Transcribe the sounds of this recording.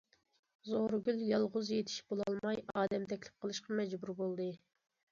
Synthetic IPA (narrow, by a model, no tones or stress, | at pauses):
zoɾɡʲyljɑlˠʁʊzjet̪ʰi̥ʃb̥olˠɑlˠmɑjɑːd̪ɛmt̪ʰɛkʲlɪ̥p̚qʰəlˠɨʃqɑmɛd͡ʒbuɾbolˠd̪ɨ